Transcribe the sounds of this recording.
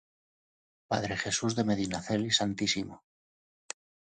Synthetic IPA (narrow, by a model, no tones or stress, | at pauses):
pa̰ðɾe̞xe̞suzðe̞me̞ð̞inaθe̞lisant̪isimo